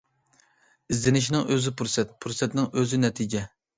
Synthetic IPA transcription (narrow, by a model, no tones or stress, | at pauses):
izd̪ɪnɪʃ̬inɪŋʔøzɪpuɾsɛt̪̚pʰuɾsɛt̪nɪŋøzɪnɛt̪ʰid͡ʒɛ